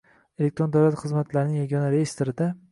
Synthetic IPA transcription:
e̞lek̚t̪ɾod̪awlat̪χɨzmat̪laɾnɪŋjaɡʲɒnaɾejest̪oɾɪd̪a

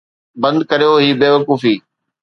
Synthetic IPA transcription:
bɐ̃nd̪̚kɐɾijoɦiːbeːʋɐkuːfiː

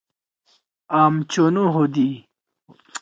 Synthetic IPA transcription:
aːmt͡ɕonuɦod̪i

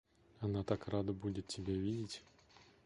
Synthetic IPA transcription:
anat̪akɾad̪ɐbud̪ʲet̪tʲebʲavʲid̪ʲit̪ʲ

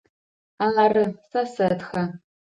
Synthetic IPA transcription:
aarɨsasɐtxɐ

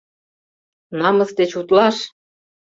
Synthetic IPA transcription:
nɑmɤ̆sd̪et͡ɕut̪lɑʃ

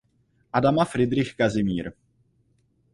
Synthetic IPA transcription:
ʔadamafɾɪd̪ɾɪxkazɪmiːɾ

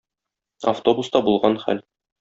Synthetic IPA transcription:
ɐ̰ft̪o̞bust̪ɑbulˠʁɑnχæ̰l

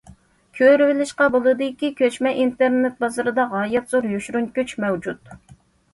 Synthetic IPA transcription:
kʲʰøɾvɪlɪʃqɑbolˠɨd̪ɨkʲikʲʰøt͡ʃmɛʔint̪eɾnet̪̚bɑzɨɾɨd̪ɑʁɑjɛt̪zoɾjyʃɾunkʲyt͡ʃmɛwd͡ʒut̪

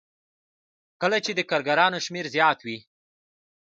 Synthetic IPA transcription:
kəlat͡ʃed̪əkaɾɡaɾɑnoʃmeɾzjɑt̪wi

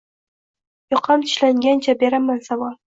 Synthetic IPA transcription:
jɒqʰɑmt̪ʰɪ̥ʃlaŋɡʲant͡ʃʰabe̞ɾamansavɒl

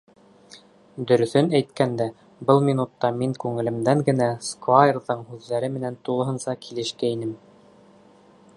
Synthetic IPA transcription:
d̪ɵ̆ɾɵ̆θɵnæjt̪kænd̪æ | bɤlˠminut̪ːɑmiŋkʉŋɘ̆lɘ̆md̪æŋɡɘ̆næskvajrðɤɴhʉðːæɾɘmɘ̆nænt̪ulˠɤ̆ɦɤ̆nsɑkʰilɘ̆ʃkæinɘm

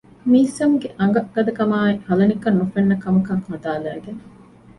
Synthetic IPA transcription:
miːsɐmɡeʔɐŋɡɐɡ̥ɐd̪ɐkɐmaːehɐlɐnikɐnːufɐnːɐkɐmɐkɐŋhɐd̪aːlæːɡen

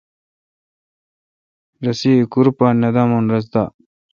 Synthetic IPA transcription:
ɾɐsikuɾpanɐd̪amonɾɐs̬d̪a

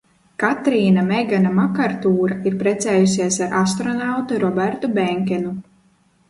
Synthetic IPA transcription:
kat̪ɾiːnamɛɡanamakaɾt̪uːɾaiɾpɾɛt̪sɛːjus̬ʲiɛsaɾʔast̪ɾɔnawt̪uɾɔbɛɾt̪ubɛŋkʲɛnu

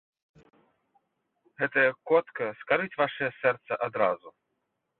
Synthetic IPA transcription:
ɣɛt̪ɐjɐkɔt̪kɐskaɾɨt͡sʲvaʂɐjɐsɛrt̪sɐʔad̪ɾazu

